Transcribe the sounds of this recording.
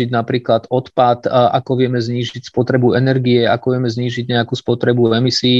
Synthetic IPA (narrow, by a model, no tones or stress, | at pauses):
iɟnapɾiːklad̪ɔt̪pat̪ʔa̰kɔʋɪɛmɛzɲiːʒicspɔt̪ɾɛbuɛnɛɾɡiɛakɔʋɪɛmɛzɲiːʒiɟɲɛakuːspɔt̪ɾɛbuɛmisiː